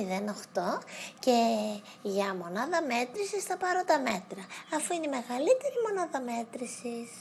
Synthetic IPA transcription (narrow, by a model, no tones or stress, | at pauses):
iðenoxt̪o̞ce | ʝɐmo̞nɐðɐme̞t̪ɾisisθɐpɐɾot̪ɐme̞t̪ɾɐːfuineime̞ɣɐlit̪e̞ɾimo̞nɐðɐme̞t̪ɾisis